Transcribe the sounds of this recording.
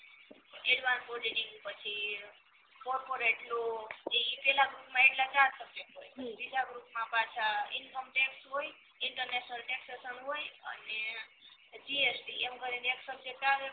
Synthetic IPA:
elʋanboliniŋɡpət͡ʃʰi | kɔɾpoɾeʈloeipɛlaɡɾupmãeʈlad͡ʒãsəbekɦojbid͡ʒʱaɡɾupmãpat͡ʃʰainkəmʈeksɦoj | ɪɳʈəɾneʃnəlʈeksesənɦojə̰ne | d͡ʒiesʈiemkəɾineksəbt͡ʃekaɾe

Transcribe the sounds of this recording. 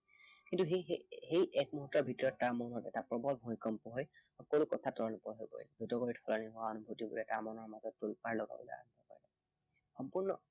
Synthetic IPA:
kintuɦehejʔɛk̚muɦutːɔbʱitɔɹɔttaɹmɔnɔtɛ̰tapɹɔbɔlbʱuikɔmpɔɦɔjxɔkolukɔtʰatɔɹɔnɔpɔɹɦojpɔ̰ɹilɛbʱutɔkoɹitʰɔlɔniɦɔaɔnubʱutibṵɹɛtaɹmɔnɔɹmazɔtːulpaɹlɔɡa̰bɔ̰lɛ̰a̰nbɔpa̰ɹiɛ | xɔmpuɹnɔ̰

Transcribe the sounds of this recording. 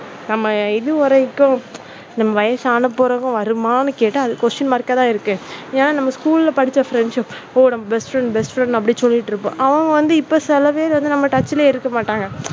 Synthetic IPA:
nɐmːɐɪðɯʋɔɾɐɪkːʊ̃ | nɐmːɐʋɐjɐsaːnɐpːoːɾɐɣʊ̃ʋɐɾɯmaːnɯkeːʈːɐɐðɯkʋɔsʈɐnmɐːɾkːɐt̪ãːɪɾɯkːɯ̃eːnaːnɐmːɐskuːlɪlɐpɐɽɪt͡ʃːɐfɾɛɳɖʂɪp | oːnɐmːɐbɛsʈfɾɛɳɖbɛsʈfɾɛɳɖɐp̬ːɐɽisɔlːɪʈːɾɯpːõ̰ːʔɐʋɐŋɡɐʋɐnd̪ɯɪpːoːsɛlɐʋeːlʋɐnd̪ɯnɐmːɐʈɐt͡ʃːɪleːɪɾɯkːɐmaːʈːaːŋɡɐ

